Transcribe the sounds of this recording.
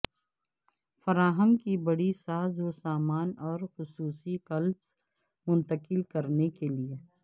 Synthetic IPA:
fɐɾaːɦə̃mkibɐɽisaːzosaːmaːnɔːɾxʊsuːsikɐlbs | mʊ̃nt̪əkɪlkɐɾnekelie

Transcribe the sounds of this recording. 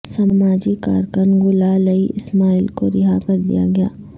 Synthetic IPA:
samaːd͡ʒika̰ːɾkənɡʊlaləiʔɪsmaːiːlkoɾɪɦakɐɾd̪ḭja̰ɡɐja̰ː

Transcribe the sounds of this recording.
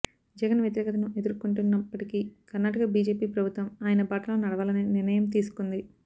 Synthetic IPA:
d͡ʒɛɡɐnʋjɐt̪iɾɛːkɐt̪ɐnuʔe̞d̪uɾkuɳʈunːɐpːɐʈikiːkɐɾnːaːʈɐkɐbiːd͡ʒe̞ːpiːpɾɐbʱut̪ʋɐmaːjɐnɐbaːʈɐlo̞ːnɐɽɐʋaːlɐneːnɪɾrnɐjɐmt̪̬iːsu̥kund̪i

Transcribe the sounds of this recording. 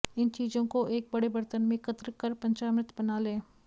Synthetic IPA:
ɪnt͡ʃiːzõkoʔeːk̚bɐɽebɐɾt̪ənmẽkət̪ɾəkɐɾpɐ̃ɲt͡ʃaːmɾɪt̪bɐnaːlẽː

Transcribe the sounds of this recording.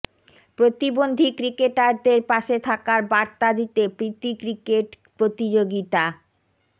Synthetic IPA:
pɾot̪ibond̪ʱikɾikeʈaɾd̪eɾpaʃet̪ʰakaɾbaɾt̪ad̪it̪epɾit̪ikɾikeʈ | pɾot̪id͡ʑoɡit̪a

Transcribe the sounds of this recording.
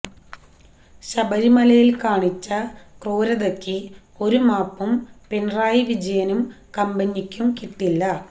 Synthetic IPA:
ɕɐbɐɾimɐlɐjilkaːɳit͡ɕːɐkroːɾɐðokːi | o̞ɾumaːpːumpenraːjiʋid͡ʑɐjɐnumkɐmbɐnːikʲːumkiʈːilːɐ

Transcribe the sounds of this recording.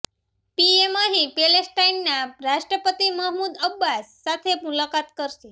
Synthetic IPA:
piemaɦipelesʈainːaɾaʂʈɾəpət̪iməɦmuːd̪əbːasːat̪ʰemulakat̪kəɾti

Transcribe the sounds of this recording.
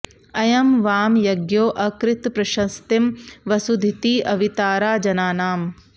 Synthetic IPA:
ɐjɐmʋaːmjɐɡjoːʔɐkɾɪt̪pɾɐʃɐst̪imʋɐsud̪ʱit̪iːʔɐʋit̪aːɾaːd͡ʒɐnaːnaːm

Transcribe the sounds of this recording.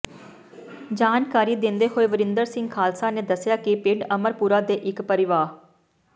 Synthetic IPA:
d͡ʒaːnkaːɾiːd̪ɪ̃nd̪eːɦoːeːʋəɾɪ̃nd̪əɾsɪ̃ŋɡkʰaːlsaːneːd̪əsjaːkipɪɖəməɾpuːɾaːd̪eːʔɪkpəɾɪʋaː

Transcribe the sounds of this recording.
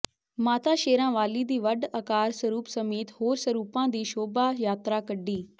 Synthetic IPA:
maːt̪aːʃeːɾãːʋaːliːd̪iːʋəɖəkaːɾsəɾuːpsəmeːt̪hoːɾsəɾuːpãːd̪iːʃoːbaːjaːt̪ɾaːkəɖːiː

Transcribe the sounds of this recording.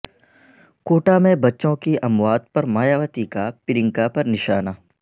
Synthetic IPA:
koːʈamẽbɐtːʃõkiʔɐmwaːd̪̚pɐɾmaːjaːʋət̪ikapɪɾɪ̃ŋkapɐɾnɪʃaːnaː

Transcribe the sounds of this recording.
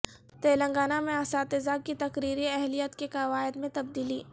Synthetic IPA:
t̪eːlɐ̃ŋɡaːnamẽɐsaːt̪ɪzaːk̚kːit̪ɐkɾiːɾiɛɦlijət̪kekɐʋaːɪd̪mẽt̪ɐb̚d̪iːliː

